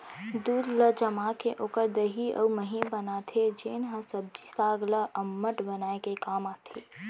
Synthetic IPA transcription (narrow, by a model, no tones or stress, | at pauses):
d̪uːd̪ləd͡ʒəmaːkeʔoːkəɾd̪əɦiə̰wməɦibənat̪ʰed͡ʒeːnɦə̃səb̚d͡ʒisaːɡləʔəmːəʈbənaːekekaːmaːt̪ʰiː